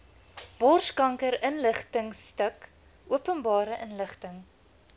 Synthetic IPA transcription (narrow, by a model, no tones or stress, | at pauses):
b̥ɔrskɐŋkəɾənləχtəŋstək | uəpənbɑːɾəʔənləχtəŋ